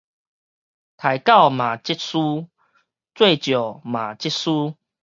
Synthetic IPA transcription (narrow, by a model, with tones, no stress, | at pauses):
t̪ʰa˨˩jka˥˨wmã˨˩t͡ɕi˦˥t̚su˦ | t͡swe˥˧t͡ɕjɔ˨˩mã˨˩t͡ɕi˦˥t̚su˦